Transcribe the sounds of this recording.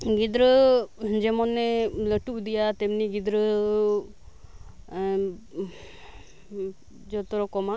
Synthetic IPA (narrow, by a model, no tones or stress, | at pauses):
ɡid̪ɾəd͡ʒemɔnːeləʈud̪ijat̪emniɡɪd̪ɾə | d͡ʒɔt̪ɔɾɔkɔma